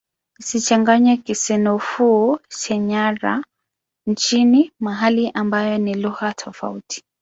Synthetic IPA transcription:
isit͡ʃaŋɡaɲakisɛnɔfuʃɛɲaɾa̰ | nt͡ʃinimaɦaliʔambajɔniluɣatʰɔfa̰utʰi̥

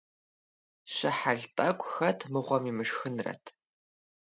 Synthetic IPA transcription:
ɕɪħaɮtʼɐkʷʼxɐtʰmɨʁʷɔmimɨʂxɨnrɐ̰tʰ

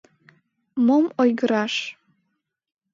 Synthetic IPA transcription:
momojɣəɾɑʃ

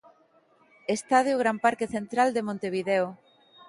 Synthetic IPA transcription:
est̪aðeʊɣ̞ɾampaɾkeθent̪ɾald̪emõnt̪eβ̞iðɛo

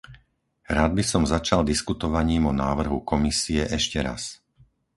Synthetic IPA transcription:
ɾaːd̪̚bisɔmzat͡ʃald̪iskut̪ɔʋaɲiːmɔnaːʋr̩ɦukɔmisiɛʔɛʃcɛɾa̰s

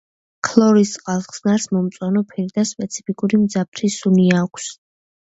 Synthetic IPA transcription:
kʰlˠɔɾisʼqʼalˠχsnaɾsmɔmt̪sʼwanɔpʰɛɾid̪aspʼɛt̪sʰi̥pʰikʼuɾimd̪zap̚ʰɾisuniakʷʰs

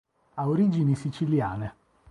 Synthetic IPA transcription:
aoɾid͡ʒinisit͡ʃilja̰ːne

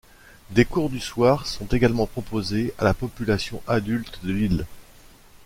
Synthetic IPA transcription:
d̪ekuʁd̪yswaʁsɔ̃t̪eɡalmɑ̃pχɔpozealapɔpylasjɔ̃ʔad̪ylt̪d̪əlil

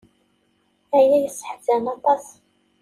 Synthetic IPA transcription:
æjæjəsːə̥ħdænɑt̪ˤɑs

